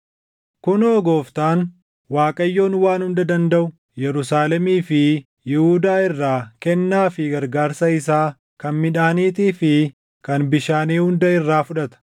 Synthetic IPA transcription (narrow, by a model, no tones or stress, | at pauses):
kʊnoːɡo̞ːft̪aːn | waːkʼɐjːo̞ːnwaːnhʊnd̪ɐd̪ɐnd̪ɐʔʊ | jɛɾʊsaːlɛmiːfɪ | jɪhuːd̪aːɪrːaːkɛnːaːfɪɡɐɾɡaːɾsɐɪsaː | kɐnmɪᶑaːniːt̪iːfɪ | kɐnbɪʃaːniːhʊnd̪ɐɪrːaːfʊᶑɐt̪ɐ̥